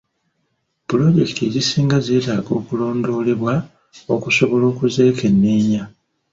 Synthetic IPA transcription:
pulo̞ɟe̞ki̥tʰeɾisiːŋɡaze̞ːtaːɡo̞ːkulo̞ːndo̞ːle̞βwa | o̞kuso̞βo̞lo̞ːkuze̞ːkʰe̞nːiːɲa

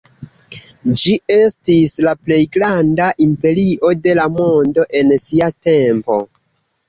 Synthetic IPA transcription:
d͡ʒie̞stislaple̞jɡɾandaʔimpe̞ɾiʔo̞de̞lamo̞ndo̞ʔe̞nsiate̞mpo̞̰

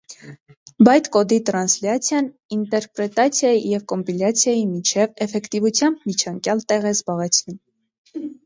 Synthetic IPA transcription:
bɑjt͡skɔd̪it̪ɾɑnsljɑt͡sʰjɑn | int̪ɛɾpɾɛt̪ɑt͡sʰjɑjijɛvkɔmpiljɑt͡sʰjɑjimit͡ʃʰɛvɛfɛkt̪ivut͡sʰjɑmbmit͡ʃʰɑŋkjɑlt̪ɛʁɛzbɑʁɛt͡sʰnum

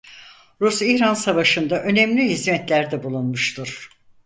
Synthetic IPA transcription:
ɾusihɾansavaʃɯnd̪aʔø̞nɛmlʲiɦizmɛt̪lʲæɾd̪ɛbulˠunmuʃt̪ʰuɾ̥

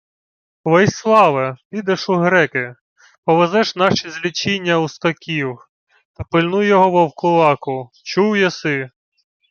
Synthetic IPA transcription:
ʋɛsʲslˠɑʋɐpʲid̪eʃʊɦɾɛkɪ | pɔʋezɛʃnɑʃizʲlʲit͡ʃinʲːɐust̪ɔkʲiw | t̪ɐpɪlʲnujjɔɦɔʋɔwkʊlˠɑkʊ | t͡ʃuwjɛsɪ

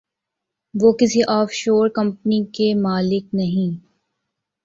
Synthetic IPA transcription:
ʋoːkɪsiʔɔːfʃoːɾkɐ̃mpnikemaːlɪk̚nɐɦĩː

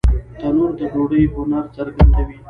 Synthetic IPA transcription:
t̪anuɾd̪əd͡ʒoɽəjɦʊnaɾt͡saɾɡand̪awi

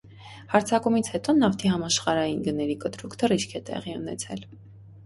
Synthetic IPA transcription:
hɑɾt͡sʰɑkumit͡sʰhɛt̪ɔnɑft̪ʰiɦhɑmɑʃχɑɾɑjinɡənɛɾikət̪ɾukʰd̪əriʃkʰɛt̪ɛ̰ʁiunɛ̰t͡sʰɛl

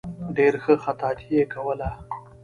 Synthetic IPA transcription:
ɖeɾxəxat̪ɑːt̪ʰijekawəla

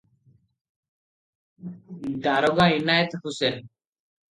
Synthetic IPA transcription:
daːɾoɡãːinaːjet̪husen

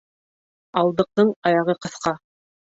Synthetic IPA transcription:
ɑlˠd̪ɤ̆q̚t̪ɤɴɑjɑʁɤqɤ̆θqɑ

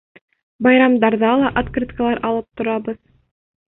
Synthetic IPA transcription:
bɑjɾɑmd̪ɑɾðɑlˠɑʔat̪krʲit̪kəlˠɑɾʔɑlˠɤp̚t̪ŏɾɑbɤð

